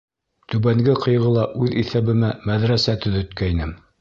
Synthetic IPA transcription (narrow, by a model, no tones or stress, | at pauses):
t̪ʉβæŋɡɘqɤ̆jʁɤ̆lˠɑʔʉðiθæβɘ̆mæmæðɾæsæt̪ɵ̆ðɵ̆t̪kæinɘm